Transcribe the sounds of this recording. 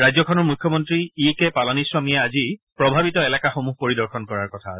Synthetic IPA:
ɹajzɔkʰɔnɔɹmukʰjɔmɔntɹiikɛpalɔniswamijaazipɹɔbʱabitɔɛlɛkaxomuɦpoɹidɔɹxʰɔnkɔɹaɹkɔtʰa

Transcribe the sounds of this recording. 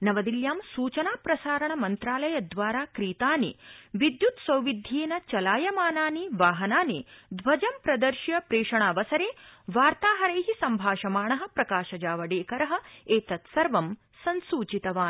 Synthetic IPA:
nɐʋɐd̪iljaːmsuːt͡ʃɐnaːpɾɐsaːɾɐɳɐmɐnt̪ɾaːlɐjɐd̪ʋaːɾaːkɾiːt̪aːniʋid̪jut̪sʋɐwʋid̪ʱjiːnɐt͡ʃɐlaːjɐmaːnaːniʋaːɦɐnaːnid̪ʋɐd͡ʒɐmpɾɐd̪ɐɾʃjɐpɾeːʂɐɳaːʋɐsɐɾeːʋaːɾt̪aːɦɐɾeːɦisɐmbʱaːʃɐmaːɳɐɦɐ̆pɾɐkaːʃɐd͡ʒaːʋɐɖeːkɐɾɐɦɐ̆eːt̪ɐt̪sɐɾʋɐm | sɐnsuːt͡ʃit̪ɐʋaːn

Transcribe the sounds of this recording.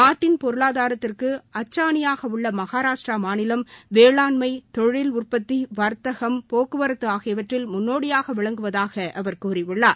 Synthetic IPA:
naːʈːɪnpɔɾɯɭaːðaːɾɐt̪ːɪrkɯɐt͡ʃːaːɳɪjaːɣɐʊɭːɐmɐɣaːɾaːʂʈramaːnɪlɐmʋeːɭaːnmɐɪt̪ɔɻɪlʊrpɐt̪ːiʋɐɾt̪ɐɣɐmpoːkɯʋɐɾɐt̪ːɯaːɣɐʋɐʈrɪlmʊnːoːɽɪjaːɣɐʋɪɭɐŋɡɯʋɐðaːɣɐʔɐʋɐɾkuːɾɪʋɪɭːaː

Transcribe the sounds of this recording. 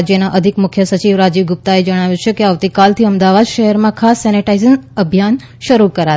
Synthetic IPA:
d͡ʒjənaʔəd̪ʱikmʊkʰjəsət͡ʃiʋɾad͡ʒiʋɡʊp̚t̪aed͡ʒəɽ̃aʋjut͡ʃʰekeaʋt̪ikalt̪ʰiəmd̪aʋad̪ʃəɦɛɾmãkʰasːɛniʈaizəŋəbʱjan | ʃəɾukəɾa

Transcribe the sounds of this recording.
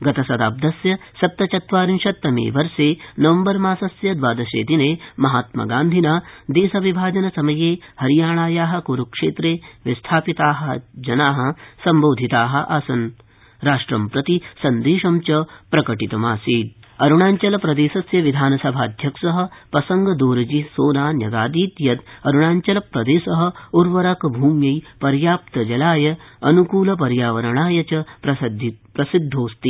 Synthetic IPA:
ɡɐt̪ɐsɐd̪a̰ːb̚d̪ɐsjɐsɐt̪ːɐt͡ʃɐt̪ʋaːɾinʃɐt̪ːɐmḭːʋɐɾseːnɐʋɐmbɐɾmaːsɐsjɐd̪ʋaːd̪ɐʃḛːd̪ineːmɐɦaːt̪mɐ̰ɡaːnd̪ʱinaːd̪eːsɐʋibʱaːd͡ʒɐnɐsɐmɐjeːhɐɾijaːɳaːjaːɦɐ̆kuɾukʂeːt̪ɾeːʋist̪ʰaːpit̪aːɦɐ̆d͡ʒɐnaːɦɐ̆sɐmboːd̪ʱit̪aːɦɐ̆ʔa̰ːsɐn | ɾaːʂʈɾɐmpɾɐt̪isɐnd̪eːʃɐmt͡ʃɐpɾɐkɐʈit̪ɐmaːsiːt̪̚ | ɐɾuɳaːɲt͡ʃɐlɐpɾɐd̪eːsɐsjɐʋid̪ʱaːnɐsɐbʱaːd̪ʱjɐkʂɐɦɐ̆pɾɐsɐŋɡɐd̪oːɾɐd͡ʒisoːnaːnjɐɡaːd̪iːt̪jɐt̪ɐɾuɳaːɲt͡ʃɐlɐpɾɐd̪eːsɐɦɐ̆uɾʋɐɾakɐbʱuːmjɐjpɐɾjaːpt̪ɐd͡ʒɐlaːjɐɐnukuːlɐp̬ɐɾjaːʋɐɾɐɳaːjɐt͡ʃɐpɾɐd̪pɾɐsid̪ʱːoːst̪i

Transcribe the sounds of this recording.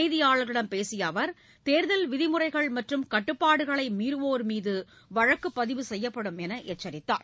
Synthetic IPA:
ɪðɪjaːɭɐɾɪɽɐmpeːsɪjɐʋɐɾ | t̪eːɾðɐlʋɪðɪmɯrɐɪɣɐɭmɐʈrɯmkɐʈːɯpːaːɽɯɣɐɭɐɪmiːɾɯʋoːɾmiːðɯ | ʋɐɻɐkːɯpːɐðɪʋɯsɛjːɐpːɐɽɯmɛnɐʔɛt͡ʃːɐɾɪt̪ːa̰ːɾ

